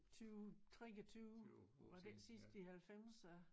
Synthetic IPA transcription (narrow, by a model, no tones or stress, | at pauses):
t͡sʰyʊt͡sʰʁeɡət͡sʰyːʊʋɑd̥ensisd̥əihælfem̰sæ